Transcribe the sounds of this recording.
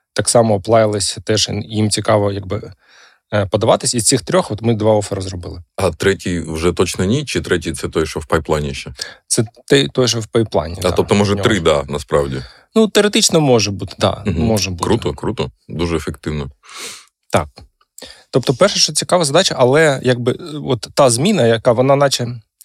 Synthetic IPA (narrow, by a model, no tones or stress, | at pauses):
t̪ɑksɑmɔːplˠɑjɪlˠɪsʲt̪ɛʒjimt͡sʲikɑʋɔjaɡ̚bɪ | pɔd̪ɐʋɑt̪ɪsʲist͡sʲixt̪ɾʲɔxɔt̪mɪd̪ʋɑɔfɐɾɐzrɔbɪlˠɪɐt̪ɾɛtʲijʋʒɛt̪ɔt͡ʃnɐnʲit͡ʃɪt̪ɾɛtʲijt̪sɛt̪ɔjɛʃɔwpɐjplˠanʲiʃɛt̪sɛt̪ɛjt̪ɔjɛʃ̬ɛwpɐjplˠɑ̰nʲḭd̪at̪ɔp̚t̪ɔmɔʒɛnʲɾɪd̪anɐspɾɑwdʲḭ | nut̪ɛɔɾet̪it͡ʃnɔmɔʒɛbut̪ɪ̥d̪ɑ̰mmɔʒɛbuɾut̪ɔkɾut̪ɔ | d̪uʒɛefekt̪ɪwnɔ | t̪ɑ̰k̚ | t̪ɔp̚t̪ɔpɛrʃɐʃt͡ʃɔt͡sʲikɑʋɐzɐd̪ɑt͡ʃɐʔɐlˠɛjaɡ̚bɪɔt̪ːɑzmʲinɐjɐkaʋɔnɑnɑt͡ʃɛ